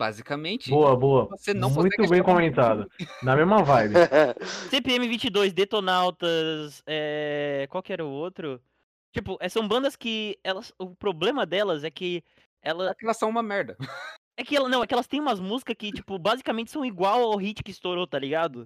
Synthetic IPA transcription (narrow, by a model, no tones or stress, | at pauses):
b̥a̰zikɐmẽnt͡ʃɪboɐboɐvosenɐ̃wmũj̃t̪ʊbẽj̃kõmẽnt̪ad̪ɐnɐmezmɐvajbɪsẽpɪẽmɪvĩnt͡ʃɪd̪ojzd̪et̪onawt̪ɐsɛkwawkɪɛɾʊʊowt̪ɾʊ | t͡ʃipʊʔɛsɐ̃w̃bɐ̃nd̪ɐskɪɛlɐsʊpɾoblẽmɐd̪ɛlɐzɛkɪ | ɛlɐkɛlɐsːɐ̃w̃ũmɐmɛɾd̪ɐ | ɛkɪɛlɐnɐ̃w̃ɛkɪɛlɐst̪ẽj̃ũmɐzmuzikɐskɪt͡ʃi̥pʊbazikɐmẽnt͡ʃɪ̥sɐ̃w̃iɡwawawɦit͡ʃɪ̥kɪːst̪oɾot̪aliɡad̪ʊ